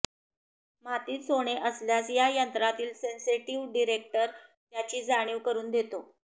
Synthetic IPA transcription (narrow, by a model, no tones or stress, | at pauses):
m̤at̪iːt͡soɽ̃eʔəsljasjajənt̪ɾat̪iːlsensiʈiʋɖiɾek̚ʈəɾt̪jat͡ɕiːd͡zaɽ̃iːʋkəɾuːnd̪et̪o